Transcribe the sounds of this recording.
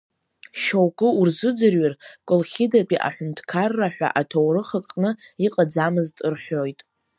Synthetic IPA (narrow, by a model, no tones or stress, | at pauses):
ʃowkʼɨurzɨd͡zɨrɥarkʷʼʊlχʲɪdapʼiʔa̰ħʷᶣʊntʰkʰarːaħʷᶣa̰ʔatʰowrɨχəkʼnɨiqʼad͡zamɨztʼɨrħʷᶣo̞jtʼ